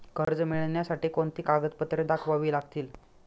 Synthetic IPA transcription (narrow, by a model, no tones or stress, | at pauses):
kəɾd͡zmiɭnjasaʈiːkoɳt̪iːkaɡət̪pət̪ɾed̪akʰʋaʋiːlaɡt̪iːl